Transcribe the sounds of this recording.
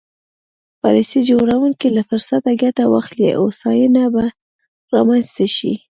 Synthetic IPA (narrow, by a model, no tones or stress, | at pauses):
pɑlisid͡ʒoɾawuŋkilafʊɾsat̪aɡat̪awa̰xlḛʔosɑjənaba | ɾɑmanzt̪aʃḭ